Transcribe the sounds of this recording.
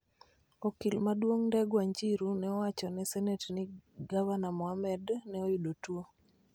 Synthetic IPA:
okilmadwoŋndɛɡwaɲd͡ʒiɾunɛɔwat͡ʃɔnɛsɛnɛtnɪɡavanamɔamɛdnɛojidotwo

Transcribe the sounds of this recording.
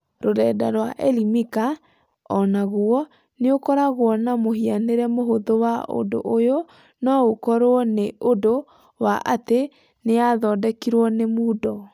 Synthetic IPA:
ɾoɾɛːdaɾwaʔɛlimika | ɔnaɣuɔ | neokɔɾaɣwɔnamoɦianeɾɛmoɦoðowao̰ndo̰ʔojo | nɔokɔɾoɔneʔodo | waʔate | neaðɔːdɛkiɾwɔnemuːdɔ

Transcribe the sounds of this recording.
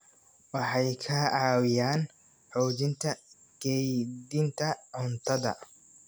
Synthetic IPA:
wɑħɑjkʰɐʕɑːwɪjaːn | ħɔːd͡ʒɪnt̪ʰɐ | ɡ̥ɛjd̪ɪnt̪ʰɐʕʊnt̪ʰɐðɐ̰

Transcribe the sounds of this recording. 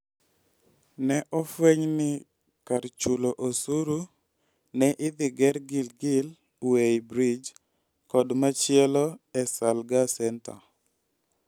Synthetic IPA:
nɛʔɔfweɲnɪ | kaɾt͡ʃuloʔosuɾu | nɛʔɪd̪ɪɡɛɾɡɪlɡɪl | weibɾid͡ʒ | kɔdmat͡ʃjɛlɔɛsalɡasɛnta̰

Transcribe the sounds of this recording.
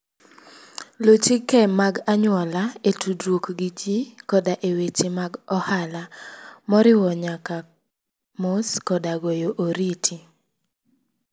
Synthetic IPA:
lot͡ʃikɛmaɡaɲʊwɔlaetudɾwokɡid͡ʒikɔdaʔewet͡ʃemaɡɔhalamɔɾɪwɔɲaka | moskɔdaɡojoʔoɾitʰi

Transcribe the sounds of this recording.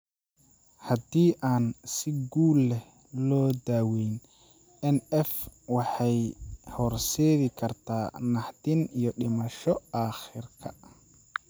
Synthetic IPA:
hɐd̪iːʔaːnsɪɡuːlɛh | lɔːd̪aːwɛjn | ɛnɛfwɑħɑjhɔrsɛːɣɪkʰɐrt̪ʰaːnɑħt̪ɪnijɔɗɪmɐʃɔaːxɪrkʰɐ̰

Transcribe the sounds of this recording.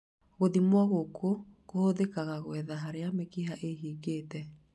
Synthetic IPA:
ɣoðimwaɣokokohoðekaɣaɣwɛðaɦaɾeamekiɦaʔeɦiːɣeːtɛ

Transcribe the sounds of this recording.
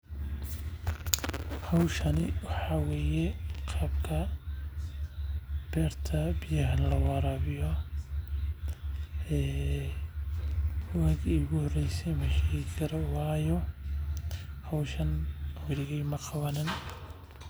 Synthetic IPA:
hɑwʃɐnɪwɑħɑːwɛːjɛqɑːbkʰɐ | b̥ɛːrt̪ʰɐbɪjɐɦɐnlɐwɑɾɐβɪjɔ | ɛː | waːɡiːɣʊhɔrɛjsɛjmɐʃɛɣɪkʰɐɾɔwɑːjɔ | hɐwʃɐnwɐɾɪɣɛjmɐqɑβɐnɪn

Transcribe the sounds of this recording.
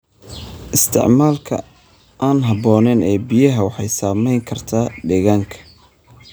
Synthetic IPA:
ʔɪst̪ʰɪ̰ʕmaːlkʰɐ̰ | ʔaːnɦɐbɔːnɛːnɛːbijɐɦɐwɑħɑjsaːmɛjŋkʰɐrt̪ʰaːɖɛɣaːŋkʰɐ̥

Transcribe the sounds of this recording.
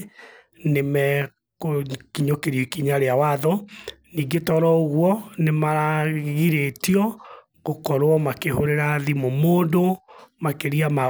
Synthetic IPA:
nemɛ | kokiɲokeɾjokiɲaɾeawaðɔniːɡetɔɾɔoɣwɔnemaɾaɣiɾetiɔ | ɣokɔɾoɔmakehoɾeɾaðimomoːndomakeɾiama

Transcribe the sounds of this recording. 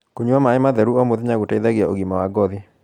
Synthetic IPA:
kuɲwamaɛmaðɛɾuɔmoðɲaɡutɛid̪aɡɪaoɡimawaɡɔðɪ

